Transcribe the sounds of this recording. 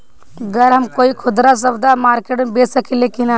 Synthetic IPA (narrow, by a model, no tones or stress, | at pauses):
əɡəɾɦəmkoːikʰʊd̪ɾas̬əbd̪amaːɾkeʈubesəkʰilekina